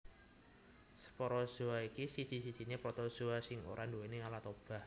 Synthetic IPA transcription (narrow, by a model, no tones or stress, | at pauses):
sə̥pɔɾɔz̥oaikisid̥i̤sid̥d͡ʒ̥i̤ɲepɾɔt̪ɔz̥oasɪŋo̰ɾʔandowenealat̪ob̥a̤h